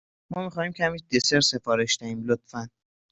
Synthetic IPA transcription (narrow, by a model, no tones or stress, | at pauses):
mɒːmixɒːhiːmcʰææmid̪eseɾse̞fɒːɾe̞ʃd̪æhiːmlot̪fæn